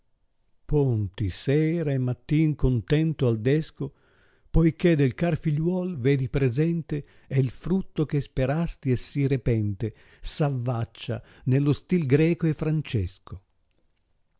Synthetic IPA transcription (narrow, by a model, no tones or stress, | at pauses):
pont̪isɛːɾaemːat̪ːiŋkont̪ɛnt̪oald̪ɛsko | pojked̪elkarfiʎwɔlved̪ipɾezɛnt̪e | eilfɾut̪ːok̟espeɾast̪iɛsːirepɛnt̪e | savːat͡ʃːa̰nelːost̪ilɡɾɛːkoefɾant͡ʃɛsko